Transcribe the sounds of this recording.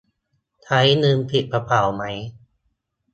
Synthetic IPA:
t̪ʰa˦˥jnɯː˧mpʰi˨˩t̪̚pʰa˧pʰa˨˩˦wma˦˥j

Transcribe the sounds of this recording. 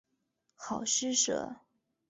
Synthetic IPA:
xɑ˨˩ʊʂɻ̩˥ʂɤ̰˧˩˦

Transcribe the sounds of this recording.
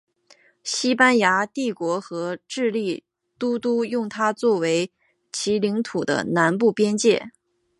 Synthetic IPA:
ɕi˥pa˥nja˧˥t̪i˥˩kwɔ˧˥xɤ˧˥ʈ͡ʂɻ̩˥˧li˥˩ | t̪u˥t̪u˥jʊ˥˩ŋt̪ʰa˥t͡swɔ˥˩we˧˥ɪ | t͡ɕʰi˧˥li˧˥ŋt̪ʰu˨˩d̪ə̰˦na˧˥npu˥˩pjɛ˥nt͡ɕjɛ˥˩

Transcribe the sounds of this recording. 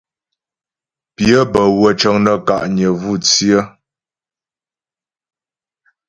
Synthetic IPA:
pjə˦bə˨wə˨t͡ʃə˨ŋnə˨ka̰˨ʔɲə˨vu˦˨t͡si˦ə˦

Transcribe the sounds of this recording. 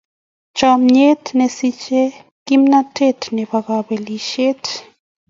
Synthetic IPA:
t͡ʃɔ˨mɲe˦tne˨si˦t͡ʃe˦ | ki˦mna˦tʰe˦˨tnɛ˨βa˨ɣa˨be˨li˨ʃe˦t

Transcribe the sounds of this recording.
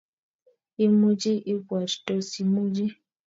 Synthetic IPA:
i˦mu˦d͡ʒi˦ʔi˦kʷwa˨t͡ʃto˦si˨mu˦d͡ʒi˦

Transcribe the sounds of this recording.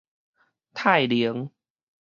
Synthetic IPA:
t̪ʰaː˥˩jli˨˦əŋ

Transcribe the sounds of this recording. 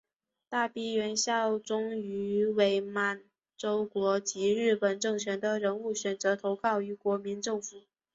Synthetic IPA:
t̪a˥˩pi˥ɥɛ˧˥nɕjɑ˥˩ʊʈ͡ʂʊ˥ŋy˧˥we˧˥ɪma˨˩n | ʈ͡ʂo˥ʊkwɔ˧˥t͡ɕi˧˥ɻɻ̩˥˩pə˨˩nʈ͡ʂɤ˥˩ŋt͡ɕʰɥɛ˧˥nd̪ə˧ɻə˧˥nu˥˩ɕɥɛ˨˩nt͡sɤ˧˥t̪ʰo˧˥ʊkʰɑ˥˩ʊy˧˥kwɔ˧˥mi˧˥nʈ͡ʂɤ˥˩ŋfu˨˩˦

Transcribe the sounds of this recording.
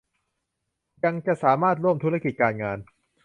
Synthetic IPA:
ja˧ŋt͡ɕa˨˩ʔsaː˩˦maː˥˩t̪̚ɾu˥˩əmt̪ʰu˦˥la˥˧ki˨˩t̪̚kaː˧nŋaː˧n

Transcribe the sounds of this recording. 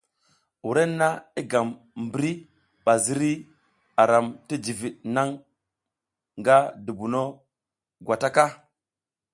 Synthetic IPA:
wu˨ɾe˦nːa˦i˦ɡa˨m | m˨bi˦ɾi˦ | ɓa˨zi˦ɾi˦ | a˨ɾa˨mti˦d͡ʒi˨vi˨ɗ̚na˦ŋ | ŋɡa˦du˨bu˨no˦ | ɡʷwa˨ta˦ka˦

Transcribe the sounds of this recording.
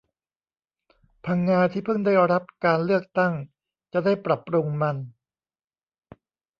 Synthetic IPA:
pʰa˧ŋːaː˧t̪ʰiː˥˩pʰɯ˥˩ŋda˥˩jɾa˦˥p̚kaː˧nlɯ˥˩ək̚t̪a˥˩ŋ | t͡ɕa˨˩da˥˩jpɾa˨˩pːɾu˧ŋma˧n

